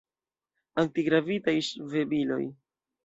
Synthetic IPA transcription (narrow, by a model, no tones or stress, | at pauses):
aŋk̚tiɡɾavitajʃve̞bilo̞̰j